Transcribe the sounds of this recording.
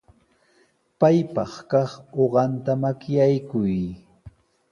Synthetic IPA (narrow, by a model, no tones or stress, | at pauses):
pajpɑχkɑχoɢɑnt̪amakjajkʊj